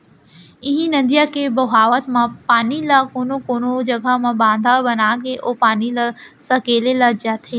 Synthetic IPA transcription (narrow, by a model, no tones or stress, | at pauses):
ɪɦĩnɐ̃nd̪ijakebɐɦaːʋət̪mãpaːnilakoːnokoːnod͡ʒɐɡʱəmãbãːnd̪ʱabɐnaːɡeʔoːpaːnilasɐkeːlelɐd͡ʒaːt̪ʰeː